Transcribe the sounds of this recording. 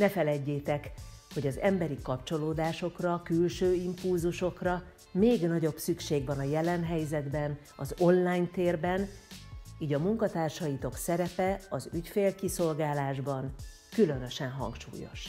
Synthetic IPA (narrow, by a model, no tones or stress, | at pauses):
nɛfɛlɛɟːeːt̪ɛkho̞ɟɒzɛmbɛɾikɒpt͡ʃo̞loːd̪aːʃo̞krɒkylʃøːimpulzuʃo̞krɒ | meːɡnɒɟo̞bsykʃeːɡʋɒnɒjɛlɛnɦɛjzɛd̪bɛn | ɒzo̞nlaːjnt̪eːrbɛn | iːɟɒmuŋkɒt̪aːrʃɒjit̪o̞ksɛɾɛpɛɒzycfeːlkiso̞lɡaːlaːʒbɒn | kylø̞nø̞ʃɛnɦɒ̰ŋkʃṵːjo̞̰ʃ